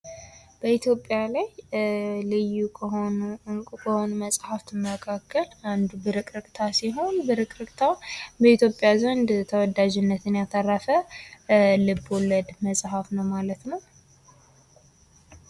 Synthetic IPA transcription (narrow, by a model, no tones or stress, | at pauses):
b̥əit̪ʰjo̞pʼːjalaj | lɨjːu | ŋkʼukʰəho̞numəsʼhaft̪ʰɨmːəkʰakːəland̪ubɨɾɨkʼɾɨkʼt̪ʰasiɦo̞nbɨɾɨkʼɾɨkʼt̪ʰabəit̪ʰjo̞pʼːjazənd̪t̪ʰəwɔd̪ad͡ʒɪnːət̪ɨnjat̪ʰərːəfə | lɨbːɔləd̪məsʼhafnəwmalət̪nəw